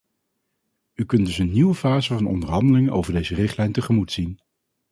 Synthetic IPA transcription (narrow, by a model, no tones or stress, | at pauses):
ykɵndɵsənːiwəvaːzəvɑnɔ̰ndəɹɦɑndəlɪŋəʔo̰wvəɹdejzərɪχtlɛjntəχəmutsin